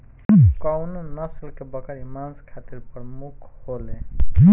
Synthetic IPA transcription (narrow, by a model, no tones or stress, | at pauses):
kawnunəslkebəkəɾimanskʰat̪iɾpɾmukʰhole